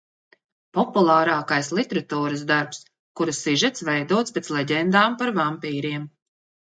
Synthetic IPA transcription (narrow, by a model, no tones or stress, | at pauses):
pɔpulˠaːɾaːkajslˠit̪eɾat̪uːɾəsd̪aɾps | kuɾasːiʒɛt̪svɛjd̪uɔt̪spɛt̪slˠɛɟɛnd̪aːmpaɾvampiːɾiɛm